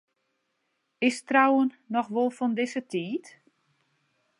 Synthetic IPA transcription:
ɪstrawənːɔxʋolˠfɔndɪsətʰiːt

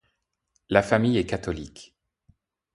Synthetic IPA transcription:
lafamijɛkat̪ɔlik

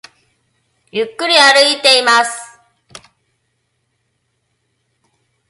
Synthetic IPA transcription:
jɯkːɯ̟ɾʲiaɾɯ̟it̪e̞imasɨ̥

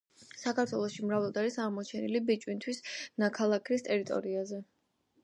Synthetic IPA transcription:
sakʰaɾt̪ʰwɛlˠɔʃimɾavlˠɔd̪aɾisaʁmɔt͡ʃʰɛnilibit͡ʃʼwint̪ʰwisnakʰalˠakʰɾist̪ʼɛɾit̪ʼɔ̰ɾiazɛ

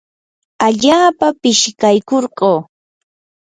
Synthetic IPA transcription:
aʎaːpapɪʃkajkoɾɢoː

